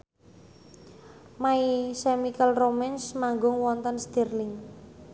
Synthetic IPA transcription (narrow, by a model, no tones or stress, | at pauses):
maisemikəlromɛnsmaŋɡʊŋwɔnt̪ɔnst̪irlɪŋ